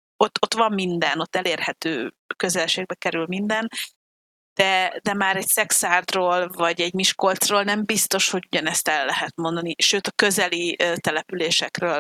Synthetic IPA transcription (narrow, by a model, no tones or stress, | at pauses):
ot̪ːo̞t̪ʋɒmːind̪ɛno̞t̪ːɛleːrhɛt̪øːkø̞zɛlʃeːɡ̚bɛkɛɾylmind̪ɛn | d̪̥ɛd̪ɛmaːɾɛcsɛksaːrd̪roːlvɒɟɛɟmiʃkolt̪sroːlnɛmbist̪o̞ʃho̞ɟuɟɒnɛst̪ɛlːɛɦɛt̪mo̞nd̪ɒniʃøːt̪ɒkø̞zɛliʔøt̪ɛlɛpyleːʃɛkrøːl